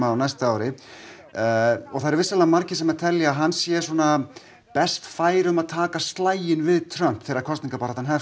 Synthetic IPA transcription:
aːwnajst̪aaːwɾɪ | ɔɣθaðɾvɪsalaamaɾcɪsɛmat̪ʰɛljaaɦansjɛ̥swɔna | pɛst̪faːjɾʏmaðt̪ʰaːkast̪laːjɪnvɪðt̪ʰɾœm̥pfɪɾɪɾakʰɔst̪niŋkapaːɾat̪hanɦɛf

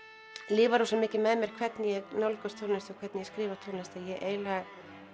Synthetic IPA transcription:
lɪːvaɾosɛmɪːcɪmɛðmjɛɾ̥kʰvɛt̪njɛɣnawlkœst̪ʰoːlnast̪ɔkʰvɛt̪njɛskɾɪːvḁt̪ʰoːlnast̪ajɛʔeːjla

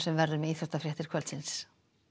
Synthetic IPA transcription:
sɛmvɛɾðʏmɛiːθɔ̥t̪afɾjɛht̪ɪɾ̥kʰvœlsɪns

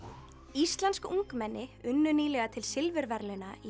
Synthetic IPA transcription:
ist̪lanskuŋkmɛnːɪʏnːʏniːlɛɣat̪ʰɪlsɪlvɪɾvɛɾlɪnai

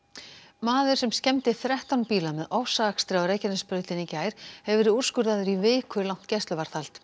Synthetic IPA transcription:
maːðʏɾ̥sɛmscɛmt̪ɪθɾɛht̪awnpiːlamɛðɔwfsaːkst̪ɾɪawɾeːjcanɪspɾœɥt̪ɪnicaːjɾ̥hɛvvɪɾɪur̥skʏɾðaðʏɾivɪːkʰvʏlawn̥t̪cɛst̪lʏvaɾ̥θalt̪

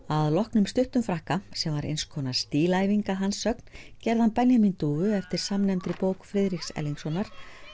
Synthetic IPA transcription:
aðlɔhknʏmst̪ʏht̪ʏmfɾahkasɛmvaɾḛjnskʰɔːnast̪iːlaːjviŋkaɦansːœkn̥cɛɾðanpɛnjamint̪uːvʏɛft̪ɪɾ̥samnɛmt̪ɾɪpoːwkfɾɪðɾiksɛ̰lːiŋksɔnːaɾ̥

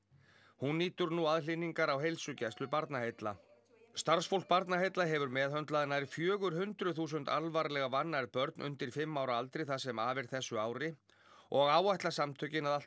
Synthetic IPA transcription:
hunːiːt̪ʏɾnuaðlɪniŋkaɾawɦejlsʏcɛst̪lʏpaɾt̪naɦejt̪la̰ | st̪aɾsfowl̥k̚paɾt̪naɦejt̪laɦɛvʏɾmɛːðɦœnt̪laðɪnaɾɪfjœːɣʏɾ̥hʏnt̪ɾʏθuːs̬ʏnt̪alvaɾlɛɣavanːaɾpœɾt̪nʔʏ̰nt̪ɪɾ̥fɪmːawɾaalt̪ɾɪθasɛmaːvɪɾ̥θɛsːʏaːwɾɪ | ɔɣaːwajht̪lasamt̪ʰœcɪnaðḁt̪

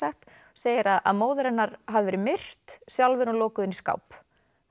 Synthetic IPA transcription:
ɛxt̪ | seːjɪɾaða̰ðmoːwðʏɾɛnːaɾɦavɪvɛːɾɪmɪr̥t̪sjawlvɛɾɔlɔːkʏðɪniska̰wp

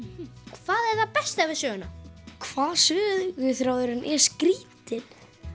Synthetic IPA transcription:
kʰv̥aːðɛɾθapɛst̪avɪðsjœːɣʏnakʰvaːðsʏːðʏvʏθɾoːwðʏɾʏnʔɛskɾiːt̪ɪn̥

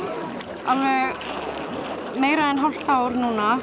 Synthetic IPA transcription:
alvɛɣ | meːjɾaɛnɦal̥t̪aːwɾnuːna

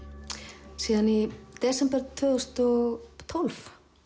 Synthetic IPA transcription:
siːðanid̪̥ɛːsɛmpɛɾt̪ʰvʏːðʏst̪ɔɣt̪ʰɔlf

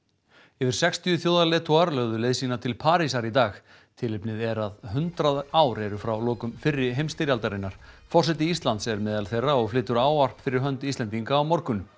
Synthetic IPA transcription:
ɛːvɪɾ̥sɛkst̪ʰijʏθjoːwðalɛːt̪ʰuaɾlœːɣðʏleːðsinat̪ʰɪlpʰaːɾisaɾit̪aːx | t̪ʰɪlɪpnɪðɛɾaðɦʏnt̪ɾaðaːwɾɛɾʏfɾawlɔːkʏmfɪrːɪɦejmst̪ɪɾjalt̪aɾɪnːaɾ̥fɔr̥sɛt̪ɪist̪lant̪sɛɾmɛːðalθejrːaɔɣflɪːt̪ʏɾaːwar̥pfɪɾɪɾ̥ɦœnt̪ɪist̪ɛnt̪iŋkaːwmɔɾkʏnʏ

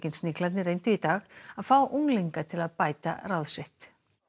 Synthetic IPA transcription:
cɪnsnɪhklat̪nɪrejnt̪ʏit̪aːɣaðfaːwʔuŋlejŋkat̪ʰɪlaðpaːjt̪a̰rawðsɪht̪

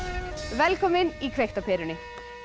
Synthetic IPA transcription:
ʋɛlkɔməniːkʰʋɛkt̪ɔpʰeɾʉɳɪ

